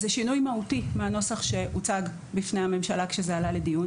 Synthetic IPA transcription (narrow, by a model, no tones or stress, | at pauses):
zeʃinujmautimeano̞saχʃe̞ut͡saɡ | bifnehame̞mʃalakʃezealaledijun